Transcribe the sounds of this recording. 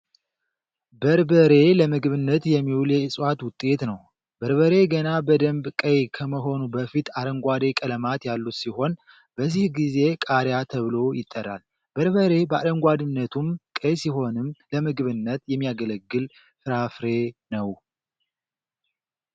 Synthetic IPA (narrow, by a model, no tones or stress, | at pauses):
bəɾbəɾe̞ləmɨɡɨβɨnːət̪jɛmːiwuljɛɨsʼwat̪wʊt̪ʼːe̞t̪nəw | bəɾβəɾe̞ɡənabəd̪əmbkʼəjkʰəməɦo̞nubəfit̪ad̪əŋɡʷad̪ekʼələmat̪jalːut̪siho̞n | b̥əzːihɡize̞kʼaɾjat̪ʰəβlo̞jɪt̪ʼːərːa̰l | bəɾβəɾe̞bəa̰d̪əŋɡʷad̪ɨnːət̪ʰumkʼəjsiɦo̞nɨmləmɨɡɨβɨnːət̪jɛmːijaɡələɡːɨl | fɨɾafɾe̞nəw